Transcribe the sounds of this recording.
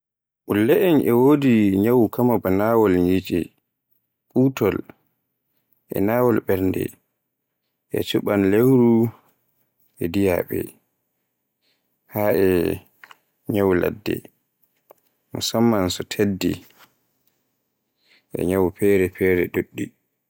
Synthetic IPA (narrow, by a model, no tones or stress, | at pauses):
ʔulːɛʔɛnʔɛwoːdiɲawkamabanawɔlɲit͡ʃʼɛ | ɓuːtɔl | ʔɛ̰naːwɔlɓɛɾndɛ̰ | ʔɛ̰t͡ʃuɓanlewɾu | ɛdija̰ɓɛ̰ | haʔɛ | ɲawla̰dːɛ̰ | musamːansɔtʰedːḭ | ʔɛ̰ɲawpɛːɾɛpʰɛːɾɛɗoɗːi